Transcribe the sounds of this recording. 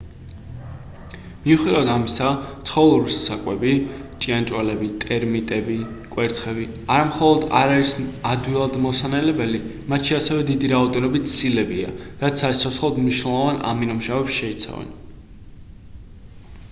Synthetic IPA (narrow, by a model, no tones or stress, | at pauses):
miuχid̪avad̪amisat̪sʰχɔlˠuɾisːakʼwɛbit͡ʃʼiant͡ʃʼwalɛbit̪ʼɛɾmit̪ʼɛbikʼwɛɾt̪ʰχɛbi | aɾamχɔlˠɔd̪a̰ɾaɾisad̪wilˠad̪mɔsanɛlɛbɛli | mat̪ʃiasɛvɛd̪id̪iɾaɔd̪ɛnɔbit̪sʰilɛbiaɾat̪sʰat̪sʰɔsχlˠɔd̪mniʃnɛlˠɔvanʔa̰minɔmʃavɛpsʃɛit̪sʰa̰vɛ̰n